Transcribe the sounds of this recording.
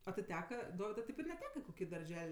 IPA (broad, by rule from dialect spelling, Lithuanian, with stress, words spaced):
ɐ tʲɪ ˈtʲæːkɐ ˈdoːʋʲɪdʊɪ tʲɛɪp ɪr nʲɛˈtʲæːkɐ ɪ koːˈkʲiː dɐrʲˈʒʲɛlʲ